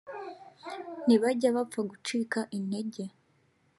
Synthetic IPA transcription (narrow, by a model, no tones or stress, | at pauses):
niβaɟaβap͡faɡut͡ʃiːkaʔine̞ɟe̞